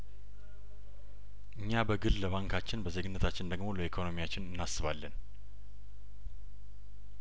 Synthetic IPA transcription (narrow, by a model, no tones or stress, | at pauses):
ʔɨɲːabəɡɨlləβaŋkʰat͡ʃːɪnbəzeɡɨnːət̪ʰat͡ʃːɪnd̪əɡmo̞ləikʰo̞no̞mijat͡ʃːɪnɨnːasɨβalːən